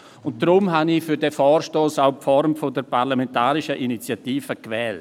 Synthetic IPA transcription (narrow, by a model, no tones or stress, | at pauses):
ʊnt̚d̥ɾʊmɦanifyɾdɛfɔːrʃtoːsaʊpfɔɾmfodəɾpʰaɾlamɛntaːɾɪʃəʔinit͡sjatiːfəkvɛːlt